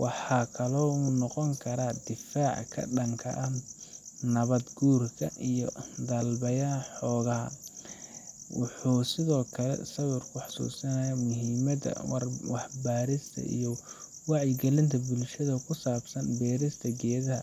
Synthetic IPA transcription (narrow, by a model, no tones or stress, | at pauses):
wʔɑħɑːkʰɐlɔːuːnɔqɔŋkʰɐɾaːd̪ɪfaːʕkʰɐ̰ɖɐŋkʰɐ̰ʔɐh | nɐβɐd̪ɡuːrkʰɐʔijɔd̪ɐlbɐjaːħɔːɣɐɦɐ̰ | wʊ̰ħuːsɪðɔːkʰɐlɛ̰sɐβʊrkʰʊħɑ̥sṵːsɐnɐjamʊɦimɐdɐ̰wɑħbaːɾɪst̪ʰɐ̰ʔḭjɔ | wɑʕjɪɡɛlɪnt̪ʰɐbʊlʃɐðɐkʰʊsaːbsɐnbɛːɾɪst̪ʰɐɡɛːðɐɦɐ